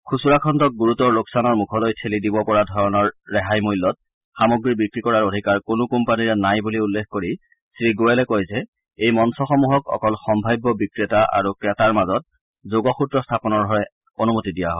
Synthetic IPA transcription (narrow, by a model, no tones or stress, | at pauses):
kʰusuɹakʰɔntɔk̚ɡuɹutɔɹloksanɔɹmukʰɔlojtʰelidibɔpɔɹadʱɔɹɔnɔɹːɛɦajmujlːɔt̚ | xamoɡɹibikɹikɔɹaɹodʱikaɹkonʊkumpaniɹɛnajbuliulːekʰkoɹi | sɹiɡoɛlɛkojzɛ | ejmɔnsɔxɔmuɦɔkɔ̰kɔlxɔmbʱajbːɔbikɹetaʔa̰ɹukɹɛtaɹmazɔt̚ | zoɡɔxutɹɔstʰapɔnɔɹdʱɔɹɛ | onumotidijaɦɔj